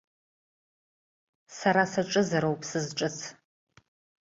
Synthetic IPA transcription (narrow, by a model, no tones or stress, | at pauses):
saɾasɐʈ͡ʂʼɨzɐɾowpʰsɨzʈ͡ʂʼɨt͡sʰ